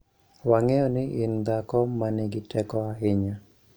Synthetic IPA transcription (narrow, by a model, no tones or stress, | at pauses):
waŋɛjɔnɪʔɪnd̪akɔmanɪɡɪtɛkɔaɦɪɲa